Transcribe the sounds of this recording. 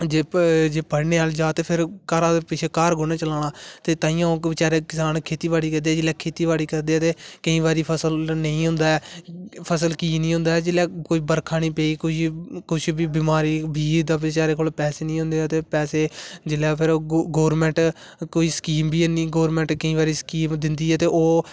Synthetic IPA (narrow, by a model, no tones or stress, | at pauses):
d͡ʒeːd͡ʒeːpəɽneːaːld͡ʒaːt̪eːpʰɪɾkəɾãːd̪epɪt͡ʃʰeːkaːɾɡʊnẽːt͡ʃəlaːɽaːt̪eːt̪ãːĩːãːõːkʋɪt͡ʃaːɾeːkɪsaːnkʰeːt̪iːʋaːɽiːkɛ̃nd̪eɛːd͡ʒɪlɛːkʰeːt̪iːʋaːɽiːkəɾd̪eːɛːt̪eːkəĩːʋaːɾiːpʰəsəlnəĩːɦʊ̃nd̪aːɛːpʰəs̬əlkiːnĩːɦʊ̃nd̪aːɛːd͡ʒɪlaːkʊibəɾkʰaːnĩːpɛːiːkʊikʊt͡ʃʰbiːbɪmaːɾiːbiːd̪aːʋɪt͡ʃaːɾeːkoːlpɛːseːnĩːɦʊ̃nd̪eːɛːt̪eːpɛːseːd͡ʒɪljaːpʰɪɾoːɡoːɾmɛ̃ːɳʈkoːiːskiːmbiːeniːɡoːɾmɛ̃ːɳʈkəĩːʋaːɾiːskiːmd̪ɪnd̪iːɛːt̪eːʔoː